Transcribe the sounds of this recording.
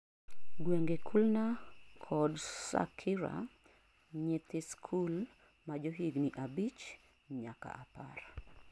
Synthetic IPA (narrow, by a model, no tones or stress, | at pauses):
ɡweŋɡekʰulnakʰɔdsa̰kʰiɾa̰ | ɲɛt̪ɪskʰul | mad͡ʒoɦiɡniʔabit͡ʃ | ɲa̰ka̰apa̰r